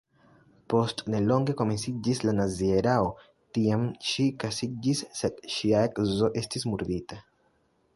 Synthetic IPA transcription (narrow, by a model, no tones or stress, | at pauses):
po̞stne̞lo̞ŋɡe̞ko̞me̞nsid͡ʒislanazieɾao | tiamʃikasid͡ʒisːed̪ʃiaekzo̞ʔe̞stismuɾd̪ita